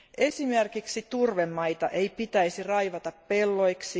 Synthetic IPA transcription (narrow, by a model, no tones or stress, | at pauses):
ʔe̞sime̞rkiksit̪urʋemːɑjt̪ɑʔe̞ijpit̪æjsirɑjʋɑt̪ɑppe̞lːo̞jksi